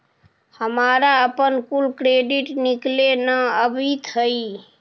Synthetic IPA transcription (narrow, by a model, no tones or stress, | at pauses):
həmaːɾaəpənkulkɾeːɖiʈniklenəəbʱit̪ɦəi